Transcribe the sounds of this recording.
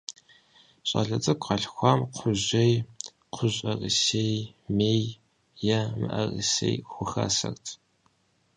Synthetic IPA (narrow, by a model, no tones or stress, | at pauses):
ɕʼɐ̰ɮɐt͡sʼɨkʷʰʼqɑɬxʷɑːmqʷʰʊʑʷej | qʰʷʊʑʼɐrɨsejmeːj | jɛmɨ̰ʔɐrɨsḛjxʷʊxɐ̰sɐrtʰ